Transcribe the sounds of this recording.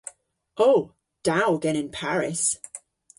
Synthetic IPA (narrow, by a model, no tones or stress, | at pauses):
oʊ | d̥aʊɡɛ̃ñɪ̃npʰaɹɪs